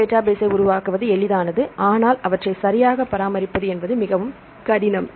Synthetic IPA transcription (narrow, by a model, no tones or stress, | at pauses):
eːʈːaːbeːsɐɪʊɾʊʋaːkɯʋɐðɯɛɭɪðaːnɐðɯʔaːnaːlɐʋɐʈrɐɪsɐɾɪjaːɣɐpːɐɾaːmɐɾɪpːɐðɯɛnbɐðɯmɪɣɐʋɯm | kɐɽɪnɐm